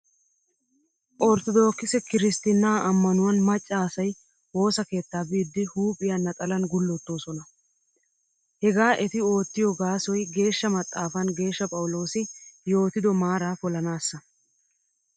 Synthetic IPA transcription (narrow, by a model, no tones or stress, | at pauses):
ʔɔɾt̪ɔd̪o̞ːkːɪsɛkɪɾɪst̪ɪnːaːʔɐmːɐnʊwɐnmɐt͡ʃʼːaːsɐj | wo̞ːsɐke̞ːt̪ːaːbiːd̪ːɪhuːpʼɪjɐnːɐt̪ʼɐlɐnɡʊlːɔt̪ːo̞ːsɔnɐ | hɛɡaːʔɛt̪ɪo̞ːt̪ːɪjɔɡaːsɔjɡe̞ːʃːɐmɐt̪ʼːaːfɐnɡe̞ːʃːɐpʼɐwʊlo̞ːsɪjo̞ːt̪ɪd̪ɔmaːɾaːfɔlɐnaːsːɐ